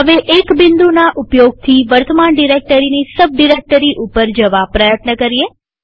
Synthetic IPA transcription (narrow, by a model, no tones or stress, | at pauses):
ɦəʋeʔekbɪnd̪unaʔupjoɡ̚t̪ʰiʋəɾt̪əmaɳɖiɾek̚ʈəɾinisəb̚ɖiɾek̚ʈəɾiʔupəɾd͡ʒəʋapɾəjət̪nəkəɾie